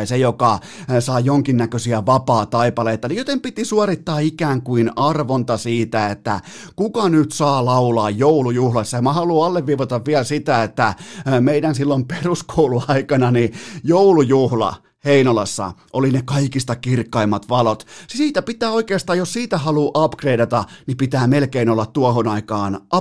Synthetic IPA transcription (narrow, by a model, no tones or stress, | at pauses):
sejokɑ | sɑijoŋkinːækøsiæʋɑpɑːt̪ɑipɑleit̪ɑnijot̪empit̪isuɑrit̪ːɑːikæːŋkuinɑrʋont̪ɑsiːt̪æet̪ːæ̰ | kukɑnyt̪sɑːlɑulɑːjjoulujuhlɑsːɑjɑmɑhɑluːɑlːeʋʋiːʋot̪ɑʋʋiælsit̪æet̪ːæmeidænsilːomperuskʰoouluɑikɑnɑnijoulujuhlɑ̰ | heinolɑsːɑ̰ʔolinekɑikist̪ɑkirkːɑimːɑt̪ʋɑlot̪siːt̪æpit̪æːoikeːst̪ɑːjossiːt̪æhɑluːʔɑpkreidɑt̪ɑnipit̪æːmelkeinolːɑt̪t̪uɑhonɑikɑːnʔɑ